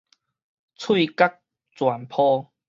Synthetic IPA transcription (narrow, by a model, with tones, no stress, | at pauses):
t͡sʰwi˥˧˨ka˦˥k̚ | t͡swa˨˩npʰɔ˦